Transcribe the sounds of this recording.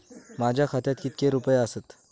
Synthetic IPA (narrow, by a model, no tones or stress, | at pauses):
mad͡ʑʱjakʰat̪jat̪kit̪̚keɾupəjeəsət̪